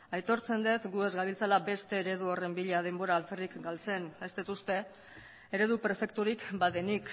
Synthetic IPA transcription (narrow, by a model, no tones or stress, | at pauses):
ajt̪o̞ɾt͡se̞nd̪et̪ɡue̞zɡaβilt͡salabe̞st̪e̞ːɾe̞ðuo̞re̞mbiʎað̞e̞mbo̞ɾaːlferikɡalt͡se̞ne̞st̪et̪ust̪e̞ | eɾe̞ð̞upɾe̞fe̞kt̪uɾikbaðe̞nik